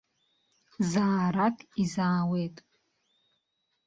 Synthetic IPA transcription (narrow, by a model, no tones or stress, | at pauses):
zaːɾatʰʼizaːwe̞jtʼ